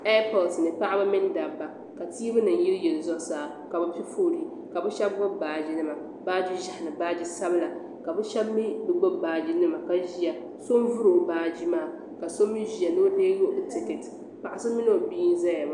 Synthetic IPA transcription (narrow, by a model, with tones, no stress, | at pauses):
a˦pɔ˨lsnɨ˨pa˦ʔa˦ba˦mɪ˦n˦da˨bba˨ | ka˨tiː˦bɨ˦nɨ˨nji˦ljɛ˨lzɔ˦saː˨ | ka˨bɨ˦pi˦fo˦˨ɾi˨ | ka˨bɨ˦ʃɛ˦b̚ɡ͡bɔ˦bbaː˨d͡ʒi˦nɨ˦ma˨ | baː˦d͡ʒi˦ʒa˦hɪ˨nɨ˨baː˦d͡ʒi˦sa˦bɨ˦la˨ | ka˨bɨ˦ʃɛ˦bmi˦bɨ˦ɡ͡bo˦bbaː˨d͡ʒi˦nɨ˦ma˨ka˨ʒi˦ja˨ | so˦nvu˦ɾo˨baː˦d͡ʒi˦maː˦˨ | ka˨so˦mi˦ʒi˨ja˨no˦deː˦jo˦ʔtɪ˨ke˨t | pa˨ʔa˨sɨ˦mɪ˦no˦˨bi˦n˦za˦ja˨ma˨